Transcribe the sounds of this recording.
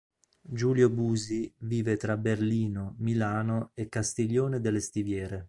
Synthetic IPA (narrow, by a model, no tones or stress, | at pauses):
d͡ʒuːljobuːziviːvet̪ɾaberliːnomilaːnoekːast̪iʎːoːned̪elːest̪ivjɛːɾe